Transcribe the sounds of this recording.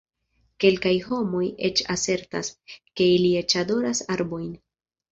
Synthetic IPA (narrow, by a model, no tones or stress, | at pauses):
ke̞lkajho̞mo̞je̞t͡ʃase̞ɾta̰ske̞ilie̞t͡ʃado̞ɾasaɾbo̞jn